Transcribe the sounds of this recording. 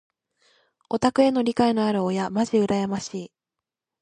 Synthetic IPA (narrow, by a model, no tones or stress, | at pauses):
o̞t̪akɯ̟e̞no̞ɾʲikainoaɾɯ̟ojamaʑiɯ̟ɾajamaɕiː